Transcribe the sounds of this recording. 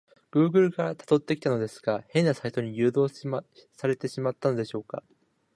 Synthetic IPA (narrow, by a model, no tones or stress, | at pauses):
ɡ̥ɯ̟ːɡɯ̟ɾɯ̟ɡat̪ḁt̪o̞t̪ːe̞kʲi̥t̪ano̞d̪e̞sɨ̥ɡ̥ahẽ̞nːasait̪o̞ɲ̟ijɯ̟ːd̪o̞ːsaɾe̞t̪e̞ɕimat̪ːano̞d̪e̞ɕo̞ːka̰